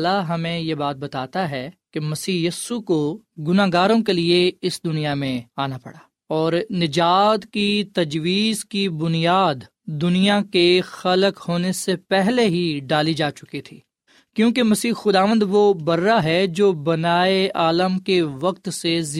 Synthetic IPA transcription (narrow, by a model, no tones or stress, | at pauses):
laɦɐmẽjebaːt̪̚bɐt̪aːt̪aɦɛkemɐsiːjiːsuko | ɡʊnaːɡaːɾõkelieɪsd̪ʊnijamẽaːnapɐ̰ɽaː | ɔːɾnɪd͡ʒaːd̪kit̪ɐd͡ʒʋiːzkibʊnijaːd̪ | d̪ʊnijakexɐləkhoːnesepɛɦleɦiɖaːlid͡ʒaːt͡ʃʊkit̪ʰiː | kjõːkemɐsiːxʊd̪aːʋə̃nd̪ʋobɐɾːaɦɛd͡ʒoːbɐnaːeaːləmkeʋɐk̚t̪sez